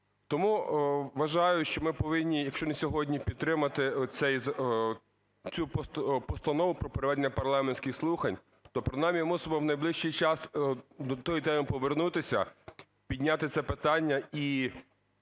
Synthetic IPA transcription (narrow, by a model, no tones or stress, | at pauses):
t̪ɔmuʋɐʒɑjʊʃt͡ʃɔmɪpɔʋɪnʲːijɐkʃt͡ʃɔnesʲɔɦɔdʲnʲipʲid̪t̪ːɾɪmɐt̪ɪsɛjz | t͡sʲuppɔst̪ɐnɔʋʊpɾɔpeɾeʋɛd̪enʲːɐpɐrlˠɑmenʲsʲkʲɪxslˠuxɐnʲ | t̪ɔpɾɪnɑmʲijmusɪbɔwnɐjblˠɪʃt͡ʃijt͡ʃɑsd̪ɔt̪ɔjit̪ɛmɪpɔʋernut̪ɪsʲɐ̰ | pʲid̪ʲnʲat̪ɪt̪sɛpɪt̪ɑnʲːɐi